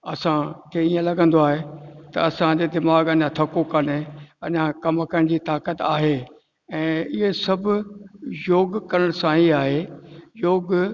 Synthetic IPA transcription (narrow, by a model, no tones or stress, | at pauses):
ɐsãkʰeːiːẽlɐɡə̃nd̪oaːɦet̪ɐ̰ɐsãd͡ʑeːd̪ɪmaːɡɐʄãt̪ʰɐkokɐneɐ̰ʄãkɐmkɐɽ̃d͡ʑiːt̪aːkət̪aːɦeː | ɛ̃ːɪɦesɐbʱʊjoːɡkɐɾəɽ̃sãiaːɦejoːɡ